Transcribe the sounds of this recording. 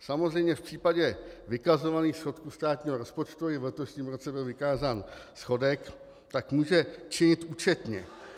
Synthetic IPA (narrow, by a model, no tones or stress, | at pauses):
samo̞zrɛjmɲɛfpr̥iːpaɟɛvɪkazo̞vaniːxsxo̞t̪kuːst̪aːt̪ɲiːɦoɾo̞spo̞t͡ʃt̪uɪvlɛt̪o̞ʃɲiːmɾo̞t͡sɛbɪlvɪkaːzaːnsxo̞dɛk | t̪akmuːʒɛt͡ʃɪɲɪt̪ʔuːt͡ʃɛt̪ɲɛ̰